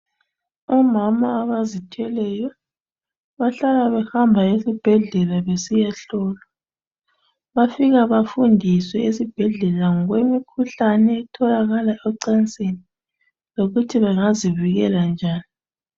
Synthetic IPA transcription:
ɔmamaːβazitʰɛlɛjɔ | βaɬalaβɛxambʱaesib̥ʱɛɮɛlaβesijaɬɔːla | βafiɣaβafundʱiswɛesib̥ʱɛɮɛlaŋwemikʰuɬanɛːtʰɔlaɣalaɛǀɛnt͡sʼeni | loɣutʰiβɛŋaziviɣɛland͡ʒʱaːni

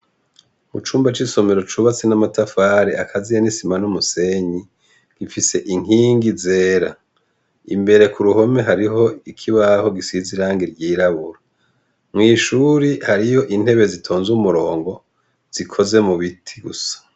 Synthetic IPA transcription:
mut͡ʃuːmbat͡ʃiso̞me̞ɾo̞t͡ʃuβat͡senamatafaːɾeakʰazijanisimanumuse̞ɲi | ɡ̥ifise̞ʔiŋ̥iːŋɡizeːɾa | imbe̞ɾe̞kuɾuɦo̞me̞ɦaɾiɦo̞ikʰiβaho̞ɡisiziɾaːŋɡiɾɟiːɾaβuɾa | mŋiːʃuɾihaɾijo̞ʔin̥he̞βe̞zitʰo̞ːnzumuɾo̞ːŋɡo̞ | z̥ikʰo̞ze̞muβitʰi̥ɡṵsḁ

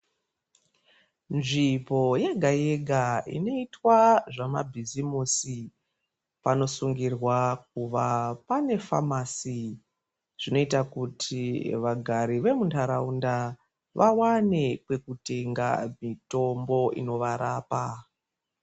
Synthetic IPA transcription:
nʐipo̞jeɡʱaje̞ɡʱaḭno̞itwaʐama̰bʱizimusi | pano̞suŋɡirwak̚uʋapane̞fa̰masi | ʐ̥ino̞itakutʰiʋaɡʱaɾiʋe̞muntʰaɾaunda | ʋawane̞kwe̞kute̞ŋɡa̰mito̞mbo̞ḭno̞ʋaɾaːpa

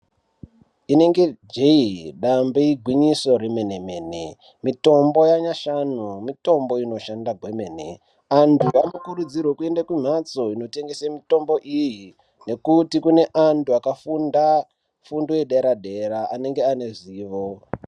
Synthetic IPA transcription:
ine̞ŋɡe̞d͡ʒeiɗambeiɡʱwiɲiso̞ɾemeneme̞ːnḛ | mito̞mbo̞jaɲaʃanumito̞mbo̞ino̞ʃandaɡʱwe̞me̞ːnḛ | antʰuamukurud͡zirwokue̞ndakum̤at͡so̞ino̞te̞ŋɡe̞samito̞mbo̞ʔiji | ne̞kutikune̞ʔantʰuakafunda | fundoeɗeɾaɗe̞ɾaʔane̞ŋɡeane̞ʐiːʋo̞

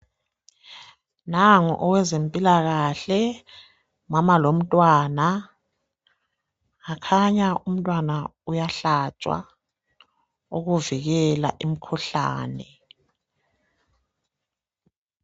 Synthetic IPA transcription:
naŋɔ̰ʔɔwɛzempʼilaɣaɬɛ | mamalom̩tʼwaːna | akʰaɲaʔum̩tʼwanaujaɬat͡ʃʼwa̰ | oɣuviɣɛla̰ʔim̩kʰuɬa̰ːnɛ

